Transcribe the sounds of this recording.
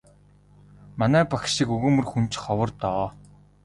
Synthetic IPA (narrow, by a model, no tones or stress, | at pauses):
manæːpaxʃikɵɣɵːmɵ̆rxunt͡ɕχɔwə̆rt̪ɔː